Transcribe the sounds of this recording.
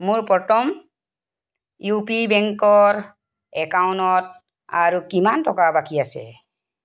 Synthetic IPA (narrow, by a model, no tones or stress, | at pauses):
muɹpɔtɔm | jupibɛŋkɔɹ | ɛkawnɔt̚ | a̰ɹukimantɔkabakiasɛ̰